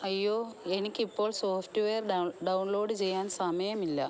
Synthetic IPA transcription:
ɐjːo̞ːe̞nikʲːipːo̞ːɭsoːftɨʋejɐrɖɐwnlo̞ːɖɨt͡ɕe̞jːaːnsɐmɐjɐmilːɐ

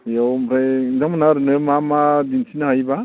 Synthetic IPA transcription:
jawmɾajzaŋmanaɾɯnɯmamadinsinaɦajba

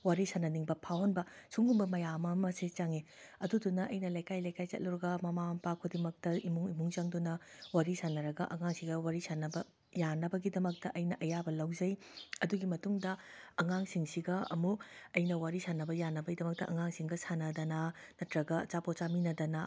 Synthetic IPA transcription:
waɾisanɐniŋbɐpʰawhɐnbɐsuŋumbɐmɐjamɐmɐset͡ʃaŋe | ɐdudunːɐʔɐjnɐlajkajlajkajt͡ʃɐ̰t̚lɐɾɐɡɐmɐmampakʰodimɐk̚tɐimuŋimuŋt͡ʃɐŋdunɐwaɾisanɐɾɐɡɐ̰ʔɐŋaŋsiɡɐwaɾisanɐbɐ | janɐbɐɡidɐmɐk̚tɐʔɐjnɐʔɐjabɐlɐwzɐjɐduɡimɐtuŋdɐɐŋaŋsiŋsiɡɐɐ̰muɐjnɐwaɾisanːɐbɐjanɐbɐɡidɐmɐk̚tɐʔɐŋaŋsiŋɡɐsanɐdɐnɐ | nɐtɾɐɡɐt͡ʃapot͡ʃaminɐdɐnɐ

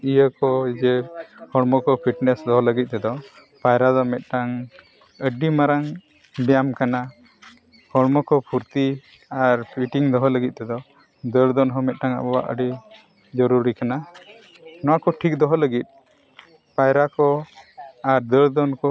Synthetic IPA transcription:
ijəkɔid͡ʒɛhɔɽmɔkɔpʰiʈnɛsd̪ɔɦɔləɡit̪̚ˀt̪ɛd̪ɔ | pajɾad̪ɔmɛt̪̚ˀʈaŋ | əɖimaɾaŋ | bɛjamkana | hɔɽmɔkɔpʰuɾt̪i | aɾpiʈiŋd̪ɔɦɔləɡit̪̚ˀt̪ɛd̪ɔ | d̪əɾd̪ɔnɦɔmɛt̪̚ˀʈaŋa̰bɔba̰ʔə̰ɖi | d͡ʒɔɾuɾikana | nɔwakɔʈʰik̚d̪ɔɦɔləɡit̪̚ | pajɾakɔ | aɾd̪əɭd̪ɔnkɔ

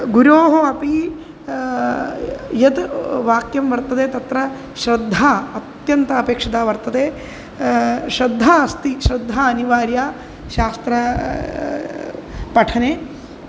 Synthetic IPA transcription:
ɡuɾoːɦoɐpi | jɐt̪ʋaːkjɐmʋɐɾt̪ɐd̪eːt̪ɐt̪ɾɐ | ʃɾɐd̪ʱːaɐt̪jɐnt̪ɐːpeːkʂɐd̪aːʋɐɾt̪ɐd̪eː | ʃɾɐd̪ʱːaɐst̪iʃɾɐd̪ʱːaɐniʋaːɾjaː | ʃaːst̪ɾɐ | pɐʈʰɐneː

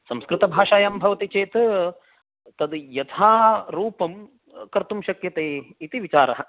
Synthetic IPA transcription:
sɐmskɾɪt̪ɐbʱaːʂaːjambʱɐʋɐt̪it͡ʃeːt̪ | t̪ɐd̪jɐt̪ʰaːɾuːpɐm | kɐɾt̪umʃɐkjɐt̪eːit̪iʋit͡ʃaːɾɐɦɐ̆

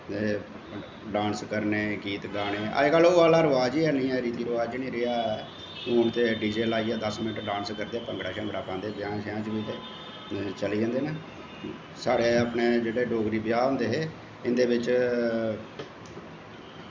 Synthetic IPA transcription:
e | ɖãːnskəɾneːkiːt̪ɡaːneːə̰ɡəlːoːaːlaːɾəʋaːd͡ʒiːɛːnĩːɛːɾiːt̪iːɾʊʋaːd͡ʒiːnĩːɾeaː | uːɳt̪eːɖiːd͡ʒeːlaːiːɛːd̪əsmɪnəʈɾɖãːnskəɾd̪eːpə̃ŋɡɽaːʃãːbəɽaːpãːnd̪eːbjãːʃãːt͡ʃʋiːt̪eː | t͡ʃəliːd͡ʒãːnd̪eːneː | saːɽeːaːpneːd͡ʒeːɽeːɖoːɡɾiːbjaːɦõːnd̪eːɦeː | ɪnd̪eːʋɪt͡ʃ

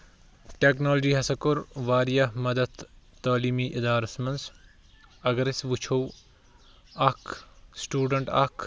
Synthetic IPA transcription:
ʈeːknoːld͡ʒiːɦɐsɐkʊɾʋaːɾijɐmɐd̪ɐd̪t̪aːliːmiːʔɪd̪aːɾɐsmɐns | ɐɡɐɾɐsʋut͡ʃʰow | ɐkʰsʈuːɖəɳʈɐ̰kʰ

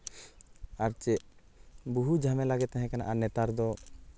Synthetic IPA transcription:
aɾt͡ʃɛʔ | buɦud͡ʒʱamɛ̃laɡɛt̪ɛɦɛ̃kɛna̰ʔanɛt̪aɾd̪ɔ

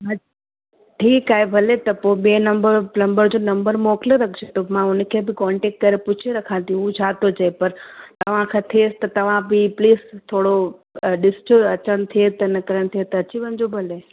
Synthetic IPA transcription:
ɦɐ | ʈʰiːkaːɦebʱɐlet̪ɐpoiɓenɐmbəɾnɐ̃mbəɾd͡ʑonɐmbəɾmoːkləɾɐkʰt͡ɕʰet̪omãʊnəkʰebɪkɔːɳʈeːk̚ʈkɐɾepʊt͡ɕʰeɾɐkʰãːt̪ijũũd͡ʑʰaːt̪od͡ʑɐepɐɾt̪ɐʋ̤ãkʰãt̪ʰeːst̪ɐt̪ɐʋ̤ãbipliːst̪ʰoːɽoɗɪst͡ɕoɐt͡ɕəɽ̃t̪ʰiet̪ɐnɐkɾəɽ̃t̪ʰiet̪ɐɐt͡ɕiʋɐ̃nd͡ʑobʱɐle

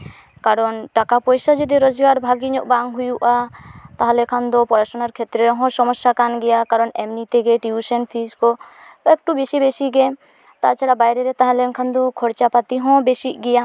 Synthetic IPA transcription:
kaɾɔnʈakapɔjsad͡ʒɔd̪iɾɔd͡ʒɡaɾbʱaɡiɲɔʔbaŋɦujuʔat̪aɦãlɛkʰand̪ɔpɔɾasɔnaɾkʰɛt̪ɾɛɾɔɦɔ̃sɔmɔsːakanɡɛjakaɾɔnɛmnit̪ɛɡɛʈiusɛnpʰiskɔɛk̚ʈubesibesiɡɛ | t̪a̰ʔt͡ʃʰaɽabajɾɛɾɛt̪aɦãlɛnkʰand̪ɔkʰɔɽt͡ʃapat̪iɦɔ̃besiʔɡɛja

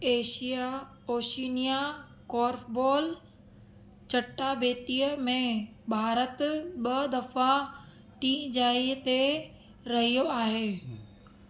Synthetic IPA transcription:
eːʃija | oːʃiːnija | kɔːɾfbɔːl | t͡ɕɐʈːabeːt̪ijəmẽ | bʱaːɾət̪ɓɐd̪ɐfa | ʈiːd͡ʑaːit̪e | ɾɐɦijoaːɦeː

